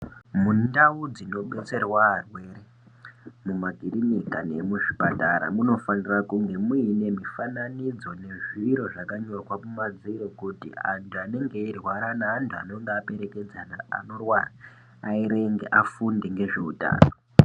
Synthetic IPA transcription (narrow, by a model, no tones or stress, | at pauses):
mundawud͡zino̞ɓet͡se̞rwaːrwe̞ːɾe̞ | mumaɡʱirinikane̞muʐipataɾa̰muno̞fanirakuŋɡe̞muine̞mifananid͡zo̞ne̞ʐiɾo̞ʐakaɲokwakumad͡ziɾo̞kutḭa̰ntʰuane̞ŋɡe̞irwaɾanaːntʰua̰no̞ŋɡeːpe̞ɾe̞ked͡zana̰ːno̞rwaraː | iɾe̞ŋɡḛʔafundeŋɡe̞ʐe̞uta̰ːno